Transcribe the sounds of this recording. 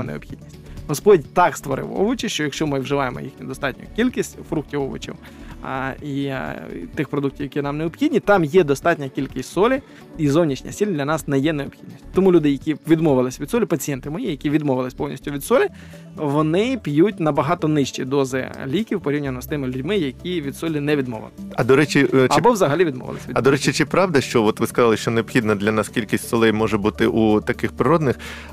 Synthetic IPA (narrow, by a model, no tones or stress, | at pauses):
nḛɔ̰bxʲid̪ʲnʲisʲtʲɦɔspɔdʲt̪ɑkst̪ʋɔɾɪ̰wɔ̰ʋʊt͡ʃɪʃt͡ʃɔjɐkʃt͡ʃɔmɪwʒɪʋɑjemɔ̰jḭxnʲid̪ɔst̪ɑtʲnʲʊ̰kʲilʲkisʲtʲfɾuk̚tʲiwɔʋʊ̰t͡ʃḭw̰ | i | t̪ɪxpɾɔd̪uk̚tʲiwjɐkʲinɑmneɔpxʲidʲnʲit̪ɑmjɛd̪ɔst̪ɑtʲnʲɐkʲilʲkɪsʲtʲsɔlʲi | izɔwnʲit͡ʃnʲɐ̰sʲilʲd̪ʲlʲɐnɑsnɛjɛneɔpxʲid̪ʲnʲisʲtʲt̪ɔmulʲud̪ɪjɐkʲiʋʲid̪mɔʋɪlˠɪsʲʋʲid̪sɔlʲipɐt͡sʲijɛnt̪ɪmɔjijɐkʲiʋʲid̪mɔʋɪlˠɪsʲpɔwnʲḭsʲtʲʊʋʲid̪sɔlʲɪ | ʋɔnɪpʲjutʲnɐbɐɦɑt̪ɔnɪʃt͡ʃid̪ɔzɪ̰lʲikʲiwpɔɾʲiwnʲɐnɔst̪ɪmɪlʲʊdʲmɪjɐkʲiʋʲid̪sɔlʲinɛʋʲid̪mɔ̰ʋɪ̰lˠɪsɐd̪ɔɾɛt͡ʃiɐbɔʋzɐɦɐlʲiʋʲid̪mɔ̰ʋɪ̰lˠɪsʲʋʲiɐd̪ɔɾɛt͡ʃit͡ʃɪpɾɑʋd̪ɐʃt͡ʃɔɔt̪ʋɪskɐzɑlˠɪʃt͡ʃɔneɔbxʲid̪nɐd̪lʲɐnɑskʲilʲkisʲtʲsɔlˠɛjmɔʒɛbut̪ɪʔut̪ɐkɪxpɾɪɾɔd̪nɪx